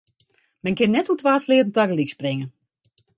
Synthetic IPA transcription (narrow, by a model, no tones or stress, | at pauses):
mɛnkɪnːɛtutʋaːslɪətn̩taɡəliksprɪŋə